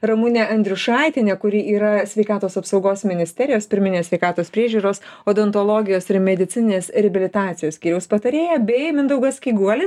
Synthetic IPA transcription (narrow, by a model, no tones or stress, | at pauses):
ɾɐmʊnʲɛʔɐnʲd̪ʲɾʲʊʃɑˑɪt̪ʲɪnʲɛkʊɾʲiːʔiːɾɐsʲʋʲɛɪkɑːt̪oːsɐpsɐʊɡoːsmʲɪnʲɪsʲt̪ʲɛɾʲɪjoːspʲɪɾʲmʲɪnʲeːsʲʋʲɛɪkɑːt̪oːspʲɾʲiɛʒʲuːɾoːsoːd̪ɛnt̪olˠoːɡʲɪjoːsɪɾmʲɛd̪ʲɪt̪t͡s̪ʲɪnʲɪnʲeːsɾʲɛbʲɪlʲɪt̪ɑːt̪sʲɪjoːsʲkʲiːɾʲɛʊspɐt̪ɐɾʲeːjɛbʲɛɪmʲɪnd̪ɐʊɡɐskʲiːɡuɔlʲɪ